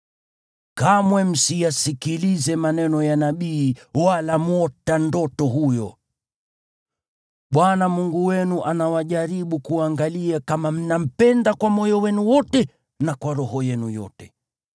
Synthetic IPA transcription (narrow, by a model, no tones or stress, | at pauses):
kamwɛm̩sijasikilizɛmanɛnɔjanaɓiːwalamɔtandɔtɔɦujɔ̰ | ɓwanamuŋɡuwɛnuʔanawaʄaɾiɓukuaŋɡaliakamam̩nam̩pɛndakwamɔjɔwɛnuwɔtɛ | nakwaɾɔhɔjɛnujɔ̰tɛ